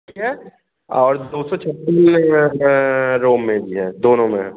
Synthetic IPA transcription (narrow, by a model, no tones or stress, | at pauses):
iɦɛː | ɔːɾd̪oːsɔt͡ʃʰɐpːiːn | ɾoːmːẽbʱiɦɛːd̪oːnõmẽɦ